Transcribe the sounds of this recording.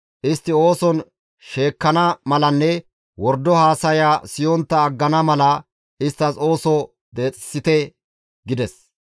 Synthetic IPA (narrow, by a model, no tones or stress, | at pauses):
ʔɪst̪ːɪo̞ːsɔn | ʃe̞ːkːɐnɐmɐlɐnːɛ | wɔɾd̪ːɔhaːsɐjaːsɪjɔnt̪ːɐːɡːɐnɐmɐlɐ | ɪst̪ːɐso̞ːsɔ | d̪e̞ːt͡sʼɪ̥sːɪt̪ɛ | ɡɪd̪ɛs